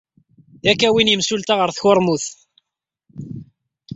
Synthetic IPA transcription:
ðækːæwinjəmsult̪aʁəɾθçʊɾˤmuθ

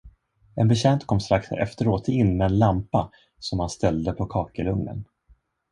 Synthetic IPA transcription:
ɛnbɛɕɛnt̪kʰɔmːst̪ɾaksɛ̰ft̪əɾoːt̪ɪnːmɛːnlampa | sɔmhanst̪ɛld̪əpʰɔkʰɑːkəɾɵŋnə̰n

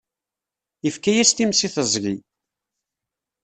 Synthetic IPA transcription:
əfkæjæst̪imsiθəzˤʝi

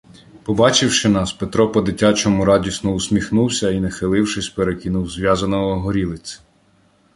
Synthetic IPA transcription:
pɔbɑt͡ʃɪwʃɪnɑspet̪ɾɔpɔd̪ɪtʲat͡ʃɔmʊɾɑdʲisnɔʊsʲmʲixnuwsʲɐinɐxɪlˠɪwʃɪsʲpeɾekʲinuwzʋʲjɑzɐnɔɦɔɦɔɾʲilˠɪt͡sʲ

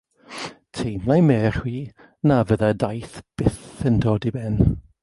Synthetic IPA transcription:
tʰejmlˠajmɛːr̥hwiː | navəðadajθb̥ɪθəndʰoːdibɛn

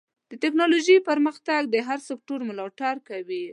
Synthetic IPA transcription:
d̪̥ətɪknɑloʒipəɾməxt̪aɡ̚d̪əɦaɾsɪk̚ʈoɾmʊlɑʈaɾkawi

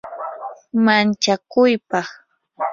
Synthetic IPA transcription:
mant͡ʃakʊjpɑχ

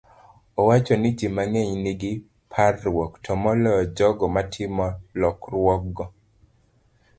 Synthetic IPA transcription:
ɔwat͡ʃɔnɪt͡ʃimaŋeɲniɡɪ | pʰarːwɔktʰɔmɔlɔd͡ʒɔɡɔmatʰɪmɔlɔkrwɔk̚ɡɔ

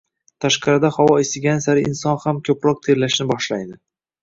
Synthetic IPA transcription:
t̪ʰaʃqɑɾɪd̪ahɒwɒest̪ɪɡʲansaɾɪɪnsɒnhamkʲʰɵpɾɒq̚t̪ʰeɾlaʃnɪbɒʃlajd̪ɪ

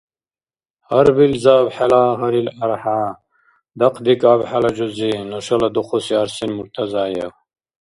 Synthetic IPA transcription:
hɐɾbilzaːbħelaːʁɐɾilɐɾħa | d̪ɐqʰd̪ikaːbħalɐd͡ʑuzinoʃɐlɐd̪uχosiɐɾsinmuɾt̪ʰɐzaːjḛw

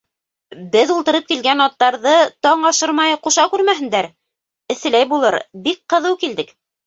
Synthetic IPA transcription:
bɘðulˠt̪ɤ̆ɾɤp̚kilɡænɑt̪ːɑɾðɤt̪ɑɴɑʃɤɾmɑjquʃɑkʉɾmæhɦɘ̆nd̪æɾ | ɘ̆θɘ̆læjbulˠɤɾbik̚qɤ̆ðɤwkild̪ɘk

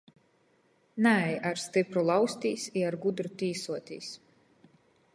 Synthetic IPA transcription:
næjaɾst̪ipɾulˠawsʲt̪ʲiːsiaɾɡud̪ɾut̪ʲiːsuɔt̪ʲiːs

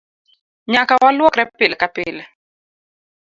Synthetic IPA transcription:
ɲakawalwɔkɾɛpɪlkapɪl

